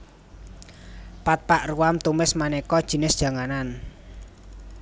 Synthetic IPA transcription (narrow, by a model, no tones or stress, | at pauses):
pat̪̚paʔruwamt̪umɪsmanɛkɔd̥ʒ̥i̤nɪsd̥ʒ̥a̤ŋanan